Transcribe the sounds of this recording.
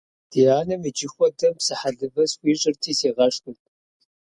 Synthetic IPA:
d̥ijaːnɐmid͡ʒɪxʷɔdɐmpsɨħaɮɨbɐsxʷiːɕʼɪrtʰiːseːʁɐʂnʼɨtʼ

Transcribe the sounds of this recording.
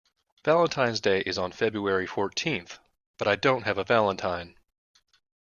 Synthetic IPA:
v̥ælˠə̃ntʰãɪ̃nzdeɪʔɨzn̩fɛbɹuɛɹifɔɹtʰĩnθ | b̥ʌɾaɪdõʊ̃nt̚ɦɨvəvælˠə̃ntʰãɪ̃n

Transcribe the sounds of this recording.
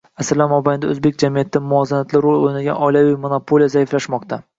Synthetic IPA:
asɾlanmɒbajɪnd̪aɵ̰zbe̞k̚ʲd͡ʒamijat̪ʰɪːɪmʊɒzanat̪lɪɾolˠojnaɡʲa̰nɒjlavijmonopʰolijazaɪflaʃmɒqt̪ʰa

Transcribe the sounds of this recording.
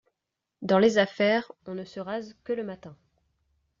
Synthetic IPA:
d̪ɑ̃lezafɛʁɔ̃nəsəʁazkələmat̪ɛ̃

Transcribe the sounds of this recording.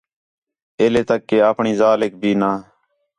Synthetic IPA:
eːleːt̪əkːeːaːpɳiːzaːleːk̚bʱiːnaː

